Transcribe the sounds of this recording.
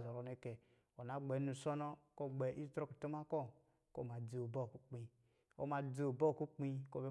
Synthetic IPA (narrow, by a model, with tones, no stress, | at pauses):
zo˨ɾo˨ne˨˦ke˨ | o˨na˨˦ɡ͡be˨˦nu˨so˦no˦ko˦˨ɡ͡bɛ˨ʔi˦tɾo˦ku˨to˦ma˦ko˦ | ko̰˦˨ma˨d͡zi˨o˨bo˦˨ku˦k͡pi˨ | o̰˦ma˨d͡zi˦o˨bo˦˨ku˦k͡pi˦ko˦˨be˦